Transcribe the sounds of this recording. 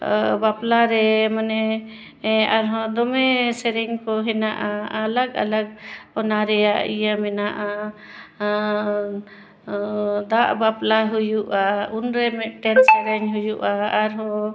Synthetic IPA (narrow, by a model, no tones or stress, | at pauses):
baplaɾɛmanɛ | aɾɦɔd̪ɔmɛsɛɾɛɲkɔɦɛnaʔaaləɡa̰ləɡɔnaɾɛjaʔḭjamɛnaʔa | d̪aʔbaplaɦujuʔaunɾɛmɛʔʈɛnsɛɾɛɲɦujuʔaːɾɦɔ